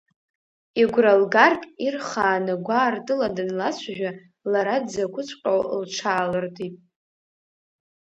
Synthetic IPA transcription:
iɡʷralɡarkʼirχaːnɨɡʷaːrtʼɨladɨnlat͡ɕʷʰaʒᶣa | laɾadzakʷʰʊt͡sʷʰʼqʲʼawlʈ͡ʂʰaːlɨrtʰʼipʼ

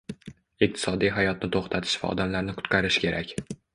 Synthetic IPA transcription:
iq̚t̪ʰɪ̥sɒd̪ijɦajɒt̪̚nɪt̪ʰoχt̪ʰat̪ʰɪ̥ʃva̰ɒ̰d̪amlaɾnɪkʰʊ̥t̪qʰɑɾɪʃkʲʰe̞ɾʔakʲ

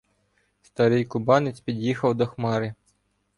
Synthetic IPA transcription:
st̪ɑɾɪjkʊbɑnɪt͡sʲpʲid̪ʲjixɐwd̪ɔxmɑɾɪ

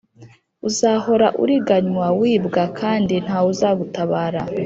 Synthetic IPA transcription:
uzaho̞ɾaʔṵɾiɡaɲwawiːbɡakʰaːndin̥hauzaɡutaβaːɾa

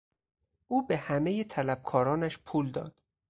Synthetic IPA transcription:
ʔuːbehæmejet̪ʰælæb̥̚kʰɒːɾɒːnæʃpʰuːld̪ɒ̰ːd̪̥

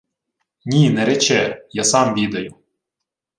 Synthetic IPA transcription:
nʲinɛɾɛt͡ʃɛjasɑmʋʲid̪ɐjʊ

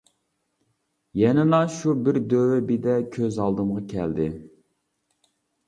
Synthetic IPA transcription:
jɛnɪnɑʃubɪɾd̪øwɛbɪd̪ɛkʲʰøzɑlˠd̪ɨmʁɑkʲʰɛ̰ld̪ɪ

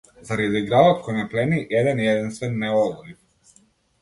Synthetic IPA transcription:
zaɾiziɡɾalat̪kɔjnaplɛniʔɛd̪ɛnjɛd̪inst̪vɛnːɛɔɡɔli

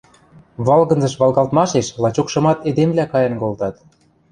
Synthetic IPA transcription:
βɑlɣɤ̆nzɤ̆ʃβɑlˠɣɑlt̪mɑʃeʃlɑt͡ɕokʃɤ̆mɑt̪ed̪emlʲækɑjɤ̆nkolt̪ɑt̪

